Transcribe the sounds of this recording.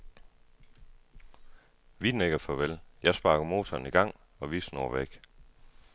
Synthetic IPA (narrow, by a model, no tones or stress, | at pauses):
ʋid̥n̩eɡ̥æfɒ̽ʋeljɑ̈ɪsb̥ɑ̈ːɡ̥əmo̝ːt͡sʰɒːniɡ̥ɑ̈ŋ̰ | ɒ̽ʋiːsnoːɐʋeɡ̥